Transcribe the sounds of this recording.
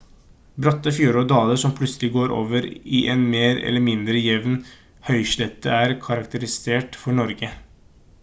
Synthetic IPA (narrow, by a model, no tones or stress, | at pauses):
bɾɑt̪ːəfjuːɾɔd̪ɑːləʂɔmpʰlʉt̪səlɪɡoːɾʔo̰ːʋəɾiʔɛnmeːɾɛ̰lːəmɪnd̪ɾəjɛʋn | hœʏʃlɛt̪ːəæːɾkʰɑɾɑkt̪əɾɪseːʈfɔɳɔɾɡə